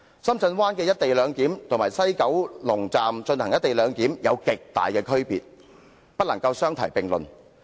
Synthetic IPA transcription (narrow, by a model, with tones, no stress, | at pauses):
sɐ˥mt͡sʰɐ˧nwaː˥nkɛː˧jɐ˥t̚t̪e˨jlœː˨˧ŋkiː˨˥mt̪ʰo˨˩maː˨˩jsɐ˥jkɐ˨˥wlʊ˨˩ŋt͡saː˨mt͡ʃɵ˧nthɐ˨˩ŋjɐ˥t̪̚e˨jlœː˨˧ŋkiː˨˥mjɐ˨˧wkɪ˨k̚t̪a̰ː˨jkɛː˧kʰɵ˥ɥpiː˨t̚ | pɐ˥t̚lɐ˨˩ŋkɐ˧wsœː˥ŋt̪ʰɐ˨˩jpɪ˨ŋlɵ̰˨˩n